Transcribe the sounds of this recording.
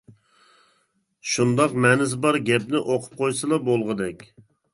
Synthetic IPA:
ʃund̪ɑqmɛnɪzbɑɾɡʲɛpnɪʔoqʰʊ̥p̚qʰojsɨlˠɑbolˠʁəd̪ɛkʲ

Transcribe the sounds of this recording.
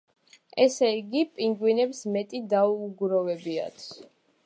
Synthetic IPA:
ɛsɛiɡipʼiŋɡwinɛpsmɛt̪ʼid̪auɡɾɔvɛbia̰t̪sʰ

